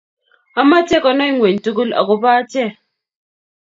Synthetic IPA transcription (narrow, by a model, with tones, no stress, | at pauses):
a˦ma˦tɛ˦kɔ˦nɔ˦i˦ŋwe˨n̩˨tu˦ɡu˦la̰˨ɡo˦ba˦tɛ˦˨